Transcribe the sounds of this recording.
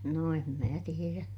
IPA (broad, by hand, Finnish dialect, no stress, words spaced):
no em mæː tieræ